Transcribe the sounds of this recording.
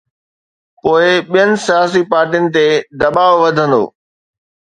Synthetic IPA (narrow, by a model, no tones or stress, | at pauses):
poːɪɓijənɪ̆sijaːs̬ipaːɾʈijənɪ̆t̪ed̪ɐɓaːʋʋɐd̪ʱə̃nd̪o̰ː